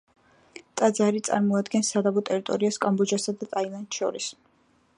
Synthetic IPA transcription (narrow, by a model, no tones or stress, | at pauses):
t̪ʼad̪zaɾit̪sʼa̰ɾmɔad̪ɡɛnsːad̪abɔt̪ʼɛɾit̪ʼɔɾiaskʼambɔd͡ʒasad̪at̪ʼailˠant̪ʃɔ̰ɾis